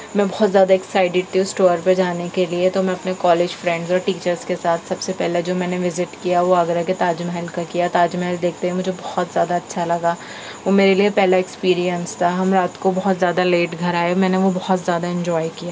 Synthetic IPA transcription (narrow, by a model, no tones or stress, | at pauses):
mɛ̃ːbɔɦɔt̪zjaːd̪aɛksaːɪʈɪɖ̚t̪ʰiũsʈoːɾpɐɾd͡ʒaːnekeliet̪omɛ̃ɐpnekɔːleːd͡ʒfɾɛ̃ɳɖzɔːɾʈiːt͡ʃəɾzkesaːt̪ʰsɐbsepɛɦled͡ʒoːmɛ̃ːneʋɪzɪʈkijaʋoaːɡɾaket̪aːd͡ʒmɛɦɛlkakijat̪aːd͡ʒmɛɦɪld̪eːkʰt̪eɦɛ̃mʊd͡ʒʱebɔhɔt̪zjaːd̪aɐtːʃʰalɐɡaː | ʋoːmeːɾeliepɛɦlaɛkspiːɾijə̃nst̪ʰaɦɐmɾaːt̪kobɔɦɔt̪zjaːd̪aleːʈɡʱɐɾaːjamɛ̃ːneʋobɔhɔt̪zjaːd̪aɛ̃ɲd͡ʒɔːjkijaː